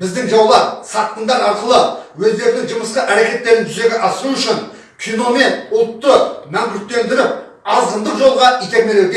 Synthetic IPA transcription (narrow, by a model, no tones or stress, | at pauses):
bɪzd̪ɪŋʒɑwlˠɑtsɑt̪ːənd̪ɑɾɑɾqəlˠəwɵzd̪e̞ɾɪnɪŋʒəməsqəʔæɾe̞kʲe̞t̪ːe̞ɾɪnʒʰʏze̞ɡʲeʔɑsuʏʃɪn | kʲʰijno̞me̞nʊlˠt̪ːəmæŋkʰʲʏɾt̪̚t̪ːe̞nd̪ɪɾɪp | ɑzd̪ənd̪əqʒo̞lˠʁɑʔikʲe̞ɾme̞leɡʲe